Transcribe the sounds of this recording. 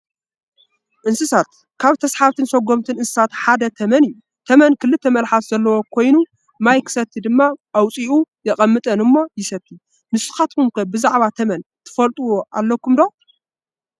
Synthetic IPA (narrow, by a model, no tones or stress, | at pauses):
ʔɨnsɨsat̪̚ | kʰaβt̪ʰɐsħaβt̪ʰɨnsɐɡo̞mt̪ʰɨnɨnsɨ̥sat̪ħad̪ɐt̪ʰɐmɐnɨjːu | t̪ʰɐmɐnkʰɨlːɨt̪ʰːɐmɐlħat̪zɐlːɐwo̞kʰo̞jnu | majkʰɨ̥sɐt̪ʰːid̪ɨmːaʔawt͡sʼiujɛkʼɐmːɨt̪ʼɐnɨmːo̞jɪsɐt̪ʰːi | nɨsɨ̥xat̪kumkɐbɨzaʕβat̪ʰɐmɐnt̪ʰɨ̥fɐlt̪ʼuwoʔa̰lːɐkumd̪o